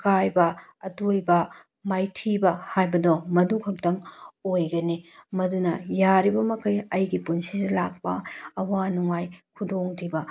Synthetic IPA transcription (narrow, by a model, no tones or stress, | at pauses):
kajbɐɐtojbɐ | majtʰibɐhajbɐdɔmɐduŋkʰɐk̚tɐŋojɡɐnimɐdunɐ̰jaɾibɐmɐkɐjɐjɡipunsidɐlak̚pɐ̰ɐwanuŋajkʰudoŋtʰibɐ